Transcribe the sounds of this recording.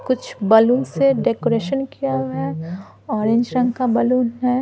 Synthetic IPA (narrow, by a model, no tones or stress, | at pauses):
kʊt͡ʃʰbɐluːnseɖekoːɾeːʃənkijaɦɛ | ɔːɾẽɲd͡ʒɾɐ̃ŋɡkabɐluːnɦɛ